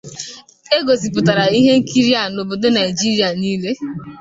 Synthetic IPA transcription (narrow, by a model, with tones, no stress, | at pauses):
e˦ɡo˨si˨pʊ˨ta˨ɾa˨i˦ɦe˦ŋ̩˦ki˦ɾi˦a˦˨no˨bo˨do˦na˨i˨d͡ʒi˦ɾi˦a˨niː˦le˦